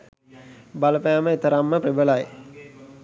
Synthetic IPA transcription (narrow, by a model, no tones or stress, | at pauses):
baləpæːməet̪əɾamːəpribəlaj